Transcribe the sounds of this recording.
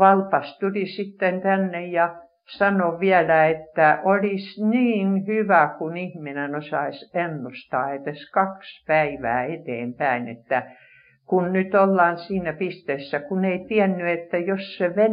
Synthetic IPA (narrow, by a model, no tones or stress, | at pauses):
ʋɑlpɑst̪ulisit̪ːent̪ænːejjɑ | sɑnoʋiælæet̪ːæʔolisniːnhyʋækunihminenosɑisenːust̪ɑːet̪eskɑkspæiʋæ̰ːet̪ḛːmpæinḛt̪ːæ | kunnyt̪olːɑːnsiːnæpist̪eːsːækuneit̪iɛnːyet̪ːæjosseʋe